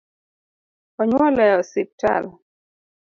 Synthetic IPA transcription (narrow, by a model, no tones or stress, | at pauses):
ɔɲwɔlɛjɔsip̚ta̰l